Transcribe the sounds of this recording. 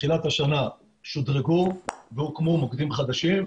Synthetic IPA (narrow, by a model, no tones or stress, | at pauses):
χilat̪haʃana | ʃod̪ʁeɡuvehukmomokd̪imχad̪aʃim